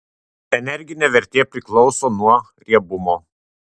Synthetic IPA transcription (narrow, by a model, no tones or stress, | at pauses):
ɛnʲɛɾʲɡʲɪnʲeːʋʲɛɾʲt̪ʲeːpʲɾʲɪklˠɔʊsoːnuɔ | ɾʲiɛbʊmoː